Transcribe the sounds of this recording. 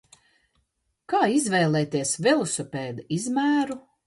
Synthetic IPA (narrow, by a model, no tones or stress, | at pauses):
kaːizvɛːlˠɛːt̪iɛsvɛlˠɔsɔpʲɛːd̪aizmæːɾu